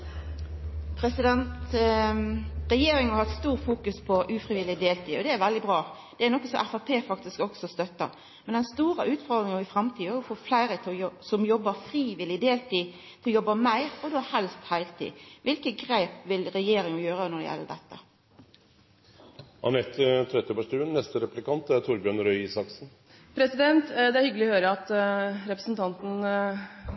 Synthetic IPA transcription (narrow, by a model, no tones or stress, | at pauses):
pʰɾɛsɪd̪ɛnt̪ | ʁɛjeːɾɪŋɑhɑt̪st̪uːɾfuːkʉspʰɔʔʉːfɾɪʋɪlːɪd̪eːlt̪ʰiːɔd̪ɛæɾʋɛld̪ɪbʁɑː | d̪̥ɛæɾnɔkːəsɔmʔæfæpʰeːfɑk̚t̪ɪskɔksɔst̪œt̪ːə̰ | mɛnd̪ɛnst̪uːɾəʔʉːt̪fɔːd̪ɾɪŋɪfɾɑmt̪ʰiːɛjʊfoːflæɪɾət̪ʰsɔmjɔbːəfɾiːʋɪlɪd̪eːlt̪ʰiː | t̪ʰɪlɔjɔbːəmæɪɾɔd̪oːhɛlst̪hæɪlt̪ʰḭːʋɪlkəɡɾeːpʋɪlɾɛjeːɾɪŋjøːʁənɔd̪ɛ̰jɛ̰lːəɖ̪ɛ̰t̪ːə | hɑ̰nɛt̪ːt̪ʰɾɛt̪ːjəpæʂʈʉːənnːɛst̪əɾɛplɪkɑnt̪æɾt̪ʰʊɾbjœnɾœʏiːsɑksn̩ | pʰɾɛsɪd̪ɛnt̪d̪ɛæɾhʏɡlɪɔhøːɾəɑt̪ɾɛpɾəsn̩t̪ʰɑnt̪n̩